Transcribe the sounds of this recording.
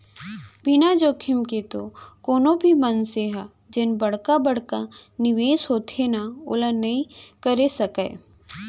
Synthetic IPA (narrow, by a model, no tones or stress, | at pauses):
bɪnad͡ʒoːkʰɪmket̪okoːnobʱimənseɦa | d͡ʒenbɐɽkabəɽ̤kanɪʋeːsɦoːt̪enao̰ːlanɐĩkəɾesɐka̰ː